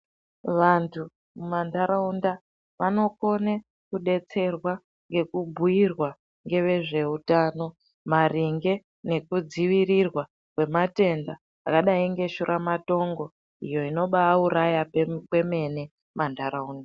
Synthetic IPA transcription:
ʋantʰu | mumandaɾaunda | ʋano̞ko̞ne | kuɗe̞t͡se̞rwa | ŋɡe̞kubʱuirwa | ŋɡe̞ʋe̞ʐe̞utaːno̞ | mariŋɡe̞ | ne̞kud͡ziʋirirwa | kwe̞mate̞ndaː | kaɗaiŋɡe̞ʃuɾʔamato̞ŋɡo̞ | ijo̞ino̞ɓauɾajakwe̞me̞ne̞ | mʔandʱaɾauːnda

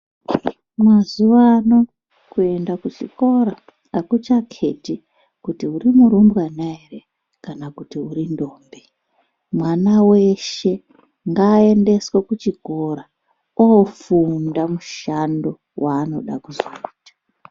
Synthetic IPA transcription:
mazuʋano̞ | kue̞ndakut͡ʃḭko̞ɾa | akut͡ʃakʰe̞ti | kutiuɾimuɾumbwanaere | kanakutiuɾindo̞ːmbe | mwanawe̞ʃe̞ | ŋɡaːe̞nde̞swekut͡ʃiɡʱoɾa | ofundamuʃando̞ | wʔaːno̞̰ɗakuzo̰iːtḁ

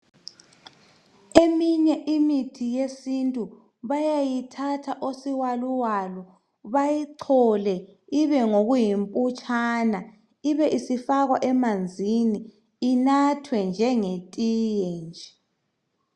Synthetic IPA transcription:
emiɲɛʔimitʰijesintʼu | βajajitʰatʰaʔosiwaluwalɔ | βajiǀʰɔlɛiβɛŋoɣujimpʼut͡ʃʼana | iβɛʔisifaɣwaʔɛmand͡zʱiniː | natʰwɛnd͡ʒʱɛŋetʼijɛnd͡ʒʱɛ

